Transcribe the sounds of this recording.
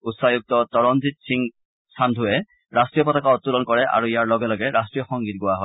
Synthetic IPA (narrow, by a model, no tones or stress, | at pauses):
utsajuk̚tɔtɔɹɔnzitsiŋ | sandʱʊɛ | ɹastɹijɔpɔtakaɔtːulɔnkɔɹɛʔa̰ɹuijaɹlɔɡɛlɔɡɛɹastɹijɔxɔŋɡit̚ɡʊwaɦɔj